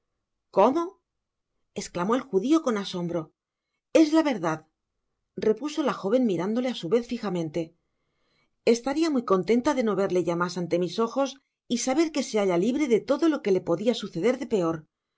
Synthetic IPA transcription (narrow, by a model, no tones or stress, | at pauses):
ko̞mo̞ | e̞sklamo̞e̞lxuðio̞ko̞naso̞mbɾo̞ | e̞zlaβe̞ɾðað | re̞puso̞laxo̞β̞e̞nmiɾand̪o̞le̞asuβe̞θfixamẽ̞nt̪e̞ | e̞st̪aɾiamujko̞nt̪e̞nt̪aðe̞no̞β̞e̞ɾle̞ʝamasant̪e̞miso̞xo̞s | isaβ̞e̞ɾke̞se̞aʎaliβɾe̞ðe̞t̪o̞ðo̞lo̞ke̞le̞po̞ðiasuθe̞ðe̞ɾðe̞pe̞o̞ɾ